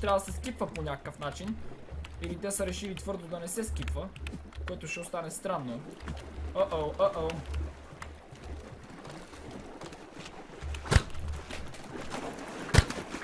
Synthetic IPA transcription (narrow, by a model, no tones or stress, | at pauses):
t̪ɾavəd̪sɛskipvəponʲakə̥kəfnat͡ʃinilit̪ɛsəɾɛʃilit̪vɤɾd̪od̪ɐnɛsɛskʲipvə | koɛt̪oʃɛost̪anɛst̪ɾanːo | əʔəəʔə